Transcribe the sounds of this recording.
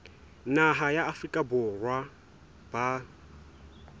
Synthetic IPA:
naɦajaːfrikʼabʊrwa | b̥a

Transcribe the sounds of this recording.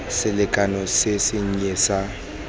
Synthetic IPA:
sɪlɪkʼanɔsɪsɪɲ̩ɲesa

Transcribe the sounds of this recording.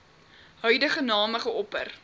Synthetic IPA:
ɦœɥdəχənɑːməχəɔpə̰r

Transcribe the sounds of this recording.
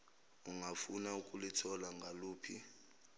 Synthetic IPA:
uŋʱafunaukʼulitʰɔlaŋɡʱaluːpʰi

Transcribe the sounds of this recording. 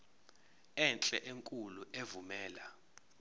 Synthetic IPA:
ɛnt͡ɬʼɛʔeŋkʼuluʔevumɛːla

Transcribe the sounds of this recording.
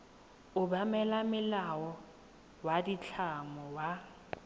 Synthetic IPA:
ʊbamɛlamɪlawɔ | wadit͡ɬʰamɔwa

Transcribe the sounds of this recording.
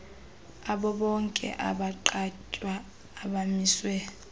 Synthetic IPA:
aɓɔɓɔŋkʼɛ̰ʔa̰ɓaǃacʼwaː | ɓamiːswɛ

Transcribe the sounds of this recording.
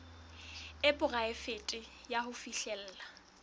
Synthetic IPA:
ɪpʼʊraɪfetʼɪjahʊfiɬɛl̩ːla

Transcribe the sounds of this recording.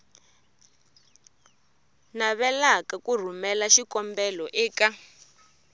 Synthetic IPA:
naβɛlakakur̤umɛlaʃikɔmbɛlɔʔɛːka

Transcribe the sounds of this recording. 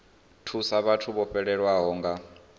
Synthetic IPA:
tʰusaβatʰuβɔɸɛɺɛɺwaɦɔːŋɡa

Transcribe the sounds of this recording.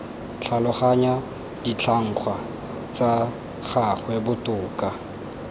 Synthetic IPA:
t͡ɬʰalʊχaɲa | dit͡ɬʰaŋ̩χʰwa | t͡sa | χaχwɛbʊtʊːka

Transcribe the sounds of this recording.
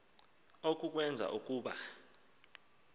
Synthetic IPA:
ok̬ʼuk̬ʼwɛnd͡zʱa̰ʔuk̬ʼuːɓa

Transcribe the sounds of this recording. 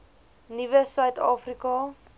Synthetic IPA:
nivəsœɥtɑːfrikɑ

